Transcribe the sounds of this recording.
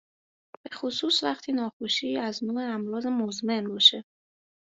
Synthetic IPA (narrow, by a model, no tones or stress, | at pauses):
bb̥e̞xosuːsvæχt̪ʰiːnɒːxoʃiːæznuːeæmɾɒːzemozme̞nbɒːʃe